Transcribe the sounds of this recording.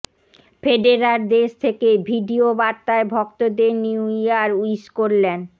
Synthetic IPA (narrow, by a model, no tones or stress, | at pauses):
feɖeɾaɾd̪eʃt̪ʰekebʱiɖiobaɾt̪aebʱɔkt̪od̪eniuijaɾuiʃkoɾlen